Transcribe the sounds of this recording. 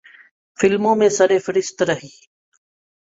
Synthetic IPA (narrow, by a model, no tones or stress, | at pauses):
fɪlmõːmẽːsəɾeːfɪɾɪst̪ɾəɦiː